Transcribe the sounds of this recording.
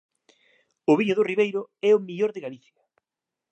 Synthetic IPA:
ʊβiɲʊðʊriβejɾʊɛʊmiʎoɾðɪɣaliθjɐ

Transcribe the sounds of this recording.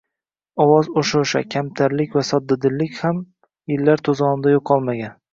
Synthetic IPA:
ɒwɒzoʃʊʃa̰kʲʰamt̪ʰaɾlɪkʲvasɒd̪ːad̪ɪlːɪkʲham | jɪlːaɾt̪ʰozɒnɪmd̪ajoqʰːɒlˠmaɡʲan

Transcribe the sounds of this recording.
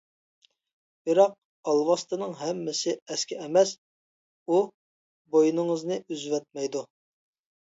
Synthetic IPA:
bɪɾɑq̚ | ɑlˠwɑst̪ɨnɨŋɦɛmːɪsɪɛskʲɛɛmɛs | u | bojinɨŋəznɨʔyzvɛt̪̚mɛjd̪u

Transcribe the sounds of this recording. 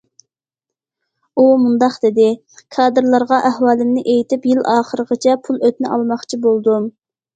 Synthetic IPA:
umund̪ɑqd̪̥ɪd̪ɪ | kʰɑːd̪ɨɾlˠɑɾʁɑʔæhwɑːlˠɪmnɪʔejt̪ɪpjilɑːχəɾəʁət͡ʃʰɛpʰulˠøt̪nɪʔɑlˠmɑχt͡ʃʰibolˠd̪um

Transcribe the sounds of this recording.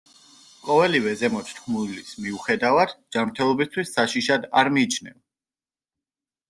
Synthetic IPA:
qʼɔvɛlivɛzɛmɔt̪ʰt̪ʰχmulismiuχɛd̪avad̪̥d͡ʒamɾt̪ʰɛlˠɔbist̪ʰwisːaʃiʃad̪aɾmiːt͡ʃʰnɛ̰v

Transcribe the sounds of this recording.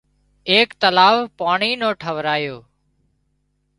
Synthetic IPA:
eːkt̪əlaːʋpaːɳiːnõːʈʰəʋɾaːjoː

